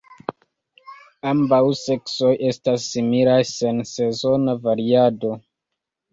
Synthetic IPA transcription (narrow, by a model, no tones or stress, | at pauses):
ambawse̞kso̞je̞stasːimilajse̞nse̞zo̞navaɾiado̞